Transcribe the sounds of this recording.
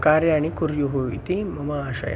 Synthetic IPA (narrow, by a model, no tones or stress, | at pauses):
kaɾjañikuɾjuɦoʋḭt̪imɐmaːɕa̰j̰